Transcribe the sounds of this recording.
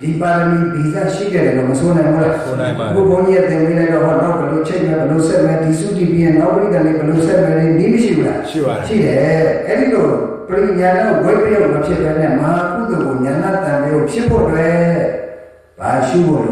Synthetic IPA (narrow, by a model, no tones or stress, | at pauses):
d̥ipadəmibiza̰ʃḭɡɛdɛ̃ɔməsʰonãɪ̃mula | kopʰõʊ̃ɲijat̪ɪ̃pelaɪtɔɦɔnaʊbəlot͡ɕʰɛɪʔmɛbɛlosɛʔ̚mɛdisutipijɛ̃napːəɾiɡanebɛlosɛʔ̚mɛɾeniməʃḭbula̰ʃḭɾɛɛɾilo | pəɾiɲãnãɡobwɛpeɔloapʰjɪʔt̪ɛnɛ̃məɦakud̪əɡoɲãnat̪ãbeopʰjɪpʰːɔ̰twɛ | b̥a̰ʃubɔl